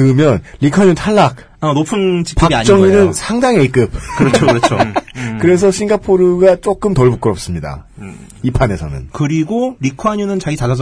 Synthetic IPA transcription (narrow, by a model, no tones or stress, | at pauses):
kɯmjʌnɾikʰwaɲuntʰaɭːak̚ | anopʰɯnt͡ɕi̥kpɯakiaɲt͡ɕ͈ʌŋinɯnsʰaŋdaŋek͈ɯp̚kɯɾʌt͡ɕʰoɾʌokɯɾe̞s̬ʰʌɕʰinɡapʰoɾɯɡat͡ɕ͈ok͈ɯmtʌɭbuk͈ɯɾʌp̚s͈ɯmɲida̰ | ipʰane̞sʰʌ̰nɯ̰nkɯɾiɡoɾikʰwaɲunɯnt͡ɕaɡit͡ɕad͡ʑas